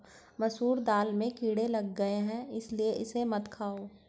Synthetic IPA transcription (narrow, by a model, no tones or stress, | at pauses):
mɐsuːɾd̪aːlmẽkiːɽelɐɡːɐeɦɛ̃ɪslieʔɪsemɐt̪kʰaːoː